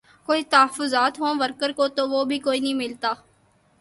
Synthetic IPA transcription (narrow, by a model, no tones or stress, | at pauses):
koːiːt̪əɦəfʊzaːt̪ɦõːʋəɾkəɾkoːt̪oːʋoːbʱiːkoːiːnəɦĩmɪlt̪aː